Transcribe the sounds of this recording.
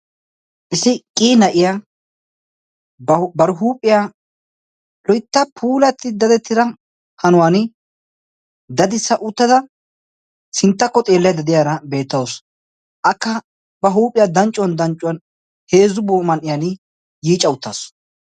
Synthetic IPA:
ʔɪsɪkʼiːnɐʔɪja | bɐɾɦuːpʼːɪja | lɔjt̪ːɐpʰuːlɐt̪ːɪd̪ɐd̪ɛt̪ːɪd̪ɐ | hɐnʊwaːnɪ | d̪ɐd̪ɪsːɐʔʊt̪ːɐd̪ɐ | sɪnt̪ːɐkːɔt̪ʼeːlːɛjad̪ɐd̪ɪjaːɾɐbe̞ːt̪ːɐwos | ʔɐkːɐ | bɐɦuːpʼːɪjaːd̪ɐnt͡ʃʼːʊwɐnd̪ɐnt͡ʃʼʊwɐn | he̞ːzʊboːmɐnʔɪjanɪ | jiːt͡ʃʼːɐʊt̪ːa̰ːs

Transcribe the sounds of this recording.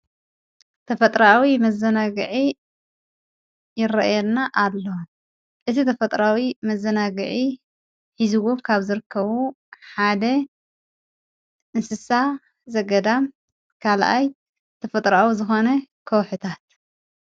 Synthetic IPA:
t̪ʰɐfɐt̪ʼɾawimɐzːɐnaɡɨʕi | jɪrɐʔjɛlnaʔalːo | ʔɨt̪ʰit̪ʰɐfɐt̪ʼɾawimɐzːɐnaɡɨʕi | ħizuɡukʰaβzɨɾɨkʰːɐβu | ħad̪ɐ | ʔɨnsɨsa | zɐɡɐd̪am | kʰalʔa̰j | t̪ʰɐfɐt̪ʼɾawuzɨxo̞nɐkʰɐwħɨt̪ʰat̪̚

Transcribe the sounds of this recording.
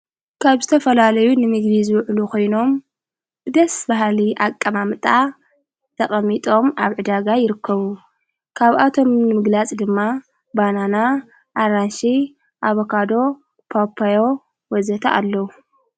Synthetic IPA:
kʰaβzɨt̪ʰɐfɐlalɐjunɨmɨɡd̪izɨwʕlukʰo̞jno̞m | bɨd̪ɐsbaɦliʔakʼːɐmamɨt̪ʼa | t̪ʰɐχʼɐmːit̪ʼo̞mʔaβʕɨd̪aɡajɪɾɨkʰːɐβu | kʰaβʔat̪ʰo̞mnɨmɨɡlat͡sʼd̪ɨmːa | banana | ʔaɾanʃi | ʔaβokʰad̪o̞ | pʰapʰːajo̞ | wɔzɐt̪ʰaʔalːɐwu

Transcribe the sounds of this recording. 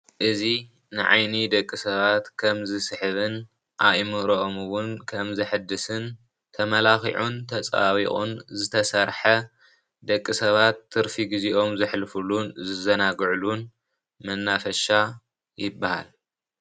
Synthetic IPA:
ʔɨzi | nɨʕa̰jnid̪ɐkʼːisɐβat̪kʰɐmzɨsɨħɨβɨn | ʔaʔjmɨɾoʔomɨwʊnkʰɐmzɨħɨd̪ɨsɨn | t̪ʰɐmɐlaxḭʕunt̪ʰɐt͡sʼaβiχʼṵnzɨt̪ʰɐsɐɾħɐ | d̪ɐkʼːisɐβat̪ʰːɨɾfiɡiziʔo̞mzɨħlɨfulunzɨzɐnaɡʕlun | mɐnːafɐʃa | jɪbːaha̰l

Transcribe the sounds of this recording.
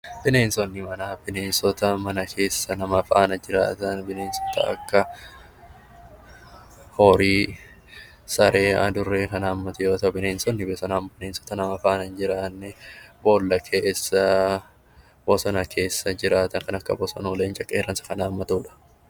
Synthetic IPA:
b̥ɪne̞ːnsɔnːɪmɐnaːbɪneːnsɔt̪ɐmɐnɐkʰe̞ːsːɐnɐmɐfɐʔɐnɐd͡ʒɪɾa̰ːt̪ɐnbɪneːnsɔ̥t̪ɐ̰ɐ̰kːɐ | hoɾiː | sɐɾe̞ːɐ̰d̪ʊrːeːkɐnaːmːɐt̪ɛɾoːt̪ɐwbɪneːnsɔnːɪbɛsɔnaːmbɪneːnsɔ̥t̪ɐnɐmɐfɐʔɐnɐnd͡ʒɪɾaːnːɛbo̞ːlːɐkʰeːsːɐ | bɔsɔnɐkʰe̞ːsːɐd͡ʒɪɾaːt̪ɐŋkɐnɐkːɐ̰bɔsɔ̰nɐleːnt͡ʃʼɐkʼːeːrːɐnsɐ̥kɐnaːmːɐt̪uːᶑɐ̥

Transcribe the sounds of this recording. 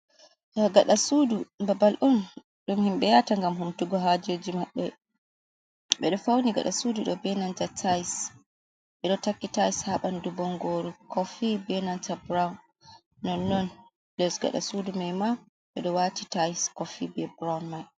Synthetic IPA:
ɗɔɡaɗasudubabalʔɔn | ɗumhimɓɛjataŋɡamhumtuɡɔɦad͡ʒod͡ʒimaɓːɛ | ɓɛɗɔfawniɡa̰ɗasuduɗɔbɛnantatʰajs | ɓɛɗɔtakːitajshaɓandubɔŋɡoɾukʰɔfibɛnantabɾawnː | ɔnːɔn | lɛsɡa̰ɗa̰sudumɛjma | ɓɛɗɔwatitajskɔfibɛbɾawnmaj

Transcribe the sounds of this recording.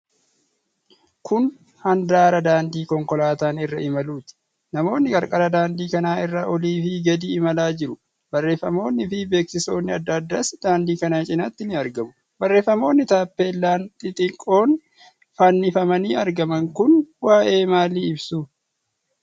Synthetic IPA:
kʊn | hɐnd̪aːɾɐd̪aːnd̪iːkɔŋkɔlaːt̪aːnɪrːɐ̰ɪmɐluːt̪ɪ̥ | nɐmo̞ːnːɪkʼɐɾkʼɐɾɐd̪aːnd̪iːkɐnaːɪrːɐʔɔliːfɪɡɐd̪iːɪmɐlaːd͡ʒɪɾʊ | bɐrːe̞ːfːɐmo̞ːnːɪfɪbe̞ːksɪso̞ːnːɪɐd̪ːɐːd̪ːaːsd̪̥aːnd̪iːkɐnat͡ʃʼɪnɐt̪ːɪnɪɐɾɡɐmʊ | bɐrːe̞ːfːɐmo̞ːnːɪt̪aːpːeːlːaːnt̪ʼɪt̪ʼɪkʼːo̞ːn | fɐnːɪfɐmɐniːɐɾɡɐmɐŋkʊnwaːʔe̞ːmaːliɪbsu

